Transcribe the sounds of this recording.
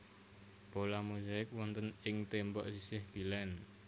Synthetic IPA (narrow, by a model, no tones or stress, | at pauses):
b̥olamuzaɪk̚wɔnt̪ənɪŋt̪embɔʔsisɪhɡ̥ilɛn